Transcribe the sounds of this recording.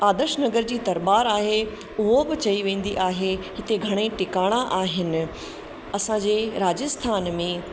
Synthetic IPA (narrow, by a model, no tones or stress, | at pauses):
aːd̪əɾʃnɐɡəɾd͡ʑiːt̪ɐɾbaːɾaːɦe | ʊɦobɪt͡ɕɐiʋẽːn̆d̪iʔaːɦeɦɪt̪eɡʱɐɽ̃ẽʈɪkaːɽ̃aʔaːɦɪnɪ̆ | ɐsãd͡ʑeːɾaːd͡ʑəst̪ʰaːnmẽ